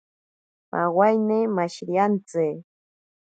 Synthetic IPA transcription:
ma̰wajnemaʃɾiant͡se

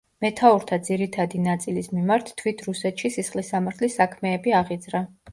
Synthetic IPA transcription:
mɛt̪ʰauɾt̪ʰad̪ziɾit̪ʰad̪inat̪sʼilismimaɾt̪ːʰwit̪ʰɾusɛt̪ʃisisχlisamaɾt̪ʰlisakʰmɛːbiaʁid̪zɾa

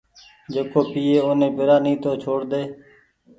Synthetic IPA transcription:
d͡ʒeːkoːpiːeːoːnẽːbɪɾaːnĩːt̪oːt͡ʃʰoːɽd̪eː

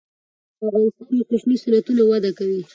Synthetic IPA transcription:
avʁɑnɪst̪ɑnaqʊʃnisanat̪unawad̪akawi

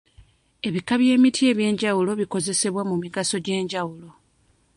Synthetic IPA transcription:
e̞βikaβje̞ːmitʰie̞ːβje̞ːɲɟawulo̞βiko̞ze̞se̞βwamumiɡaso̞ɟe̞ːɲɟawulo̞

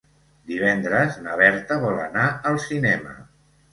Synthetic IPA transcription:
d̪iβɛnd̪ɾəznəβ̞ɛɾt̪əβɔlə̰naəlˠsinɛmə̰

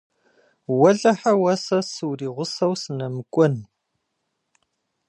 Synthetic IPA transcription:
wɐɮɐħawɐsɐsɨwriːʁʷʊsɐwsɨnɐmɨkʷʼʊn

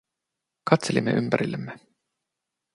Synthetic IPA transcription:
kɑt̪se̞limːe̞̰ʔympæɾilːemːe

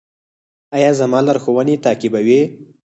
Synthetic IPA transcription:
ajɑzamɑlaɾxowənet̪ɑːkɪbawe

